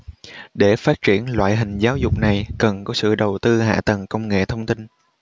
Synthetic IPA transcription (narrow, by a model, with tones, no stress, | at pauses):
ɗe˧˩faː˦˥t̚t͡ɕi˧˩ənlwa̰ː˧˨jɦï˨˩ŋ̟zaː˨˦wzʊ˨˩k͡p̚na˨˩jkə˨˩nkɔ˨˦sɨ̰˧˨ɗə˨˩wt̪ɨ˧ɦa̰ː˧˨t̪ə˨˩ŋkə˧wŋ͡mŋḛ˧˨t̪ʰə˧wŋ͡mt̪i˧n